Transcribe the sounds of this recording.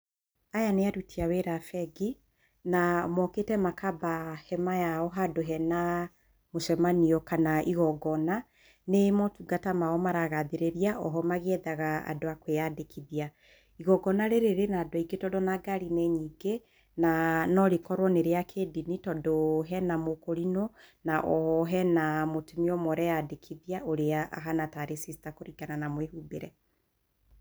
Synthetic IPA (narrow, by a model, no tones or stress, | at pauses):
ajaneaɾutʰiaweɾafɛɡi | namɔketɛmakabahɛmajaɔɦadoɦɛna | moʃɛmaniɔkanaʔiɣɔɡɔna | nemɔtuɡatamaɔmaɾaɣaðeɾeɾiaʔɔɦɔmaɣeɛðaɣaa̰doakweadekʰiðia | iɣɔɡɔnaɾeɾeɾenaːdoaiɡetɔdɔnaɡaɾinɛɲiɡe | nanɔɾekɔɾwɔneɾeakʰedinitɔdoɦɛnamokoɾinɔ | naʔɔ̰ɔɦɛnamotemiɔmɔɾɛjadekʰiðiaʔoɾeaa̰ɦanataɾesisi̥takoɾiɡananamwehubeɾɛ